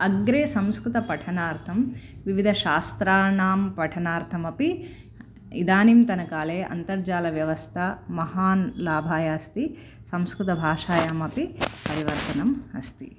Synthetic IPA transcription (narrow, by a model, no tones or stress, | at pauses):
ɐɡɾeːsɐmskɾut̪ɐpɐʈʰɐnaːɾt̪ʰɐmʋiʋid̪ʱɐʃaːst̪ɾaːnaːmpɐʈʰɐnaːɾt̪ʰɐmɐpi | id̪aːnimt̪ɐnɐkaːleːʔɐ̰nt̪ɐɾd͡ʒaːlɐʋjɐʋɐst̪ʰɐmɐɦaːnlaːbʱaːjaːst̪i | sɐmskɾut̪ɐbʱaːʂaːjaːmɐpipɐɾiʋɐɾt̪ɐnɐmɐ̰st̪ḭ